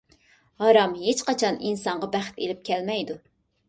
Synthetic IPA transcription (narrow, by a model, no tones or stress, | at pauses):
hɑɾɑmɦet͡ʃqɑt͡ʃʰɑninsɑɴʁɑbæχt̪elɪp̚kʲʰɛlmɛjd̪u